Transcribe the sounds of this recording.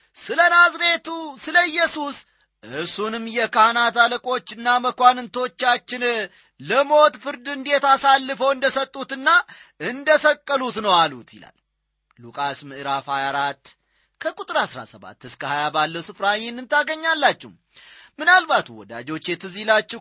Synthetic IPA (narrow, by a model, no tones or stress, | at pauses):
sɨlənazɾe̞t̪usɨləjːɛsus | ʔɨɾsunɨmːjɛkʰahnat̪aləkʼo̞t͡ʃːɨnːaməkʷanɨnt̪ʰo̞t͡ʃːat͡ʃːɪn | ləmo̞t̪fɨɾd̪ɨnd̪e̞t̪asalːɨfəwɨnd̪əsət̪ʼːut̪ɨnːa | ɨnd̪əsəkʼːəlut̪nəwalut̪jɪ̰la̰lː | ukʼasmɨʔɨɾafhajaɾat̪ː | kʰəkʼut̪ʼɨɾasɾa̰səβa̰t̪ːɨskʰəhajabalːəwsɨfɾahenːɨnt̪ʰaɡəɲːalːat͡ʃːɛum | mɨnalbat̪wɔ̰d̪a̰d͡ʒo̞t͡ʃːjɛt̪ʰɨzilat͡ʃːɛ